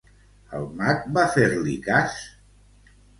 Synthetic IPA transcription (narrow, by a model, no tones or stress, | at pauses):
ə̰lˠmak̚bafeɾlikas